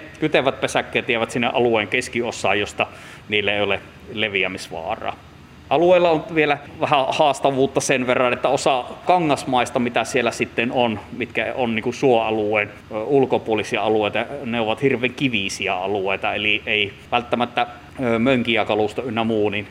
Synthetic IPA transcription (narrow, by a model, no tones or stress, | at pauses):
kyt̪eʋˑæt̪̚pesækːeːt̪ʋieʋæt̪sinːḛʔɑluwˑeːŋkeskiosːˑɑːjjost̪ɑ | niːlːeeˑiole | leʋiæmisʋɑ̰ːrˑɑ̰ː | ʔɑlueˑilːɑonʋielæʋæhæhɑːst̪ɑʋˑuːt̪ːɑsenʋerːɑnet̪ːæosɑkɑŋːɑsmɑˑist̪ɑmit̪æsielːæsit̪ːenonmit̪kæonniːŋkusuoɑluwˑeːn | ulkopuolisiɑɑlueˑit̪ɑneoʋɑt̪hirʋˑeːŋkiʋisiæɑlueˑit̪ɑeliʔeˑi | ʋælt̪ːæmæt̪ːæ | møŋkiækɑlust̪ɑynːæmuːnin